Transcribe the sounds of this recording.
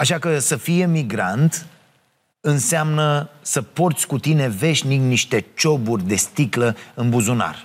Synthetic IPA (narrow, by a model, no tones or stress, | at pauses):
aʃakəsəfije̞miɡɾa̰nt̪ | ɨnseamnəsəpo̞rt̪sʲkut̪ine̞ve̞ʃnikniʃt̪e̞t͡ʃo̞burʲd̪e̞st̪ikləɨnbuzuna̰r